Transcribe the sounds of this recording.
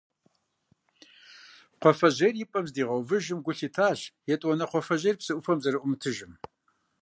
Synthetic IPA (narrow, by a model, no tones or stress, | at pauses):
qʷɔfɐʑerjɪpʼɐmzdiːʁɐwvɨʒɪmɡʷʊɬiːtʰaːɬjɛtʼwɔnɐqʷɔfɐʑejrpsɨʔʷʊfɐmzɐɾɨʔʷʊmɨtʰɨʒɪm